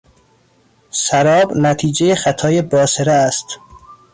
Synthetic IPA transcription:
sæɾɒːbnæt̪ʰiːd͡ʒejexæt̪ʰɒːjebɒːseɾæːst̪

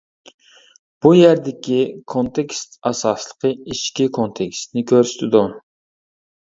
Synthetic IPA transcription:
b̥ujæɾd̪ɪkʲikʰont̪ʰekʲst̪ɑsɑslˠə̥qʰəiʃkʲikʰont̪ʰekʲst̪nɪkʲʰøɾsɪ̥t̪ʰɪd̪u

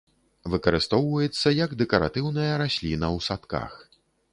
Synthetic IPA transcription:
vɨkɐɾɨst̪ɔwvɐjɛt̪sːɐjɐɡd̪ɛkɐɾa̰t̪ɨwnɐjɐɾasʲlʲinɐwsat̪ka̰x

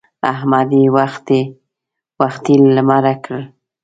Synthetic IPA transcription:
a̰ɦmad̪iwaxt̪e | waxt̪ilːamaɾakɽəl

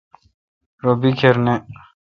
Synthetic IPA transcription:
ɾobikʰeɾne

